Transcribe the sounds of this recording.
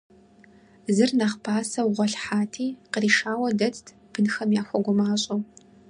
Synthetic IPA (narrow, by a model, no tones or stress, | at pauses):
zɨrnaχpʰaːsɐwʁʷɔɬħaːtʰiːqəriːʂaːwɐdɐt͡sʼtʰ | b̥ɨnxɐmjaːxʷɔɡʷʊmaːɕʼow